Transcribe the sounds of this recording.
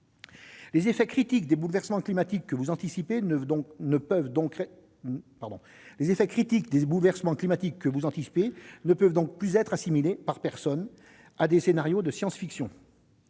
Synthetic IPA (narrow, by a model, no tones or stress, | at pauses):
lezefɛkχit̪ikd̪ebulvɛʁsəmɑ̃klimat̪ikːəvuzɑ̃t̪isipẽnəpvd̪ɔ̃k | paʁd̪ɔ̃ | lezefɛkχit̪ikd̪ebulvɛʁsəmɑ̃klimat̪ikːəvuzɑ̃t̪isi̥penəpœvd̪ɔ̃k̚plyzɛt̪χasimilepaʁpɛʁsɔn | ad̪esenaʁjod̪əsjɑ̃sfiksjɔ̃